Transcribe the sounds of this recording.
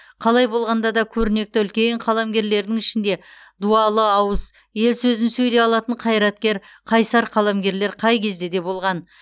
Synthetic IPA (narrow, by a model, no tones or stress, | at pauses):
qʰɑlˠɑjbo̞lˠʁɑnd̪ɑd̪ɑkʲʰɵɾɪne̞k̚t̪ɪʏlkʲe̞ɴqʰɑlˠɑmɡʲe̞ɾle̞ɾd̪ɪŋɪʃɪnd̪e̞ | d̪uɑlˠəɑwəz | je̞lsɵzɪnsɵjle̞ɑlˠɑt̪əɴqʰɑjɾɑt̪̚kʲe̞ɾ | qʰɑjsɑɾqʰɑlˠɑmɡʲe̞ɾle̞ɾqʰɑjkʲʰe̞zd̪e̞d̪e̞bo̞lˠʁɑn